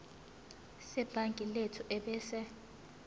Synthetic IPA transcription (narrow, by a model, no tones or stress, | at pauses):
sɛb̥ʱaŋkʼiletʰuʔɛɓɛːsɛ